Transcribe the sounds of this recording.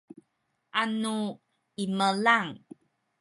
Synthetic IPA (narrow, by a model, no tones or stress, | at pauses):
ʔanu | iməlaŋ